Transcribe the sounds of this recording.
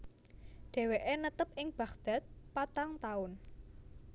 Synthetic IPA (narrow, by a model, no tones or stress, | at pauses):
ɖ̥ɛ̤weʔenət̪əpɪŋb̥ä̤kd̪̥a̤t̪̚pat̪aŋt̪aʊn